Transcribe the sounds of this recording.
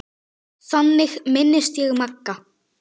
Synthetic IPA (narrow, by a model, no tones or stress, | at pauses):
θanːɪxmɪnːɪst̪jɛɣmakːa